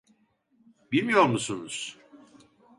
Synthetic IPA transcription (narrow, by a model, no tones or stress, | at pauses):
bilmijoɾmusunuz̥